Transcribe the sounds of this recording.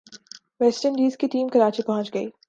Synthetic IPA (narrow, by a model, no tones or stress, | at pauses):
ʋɛsʈəɳɖiːzkiʈiːmkɐɾaːt͡ʃipɐɦʊ̃nt͡ʃɡɐiː